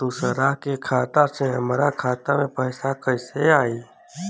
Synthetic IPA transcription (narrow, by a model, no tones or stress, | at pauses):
t̪usəɾaɦkekʰaːt̪asʰẽɦəmɾakʰaːt̪amẽpəɪsakəseaːi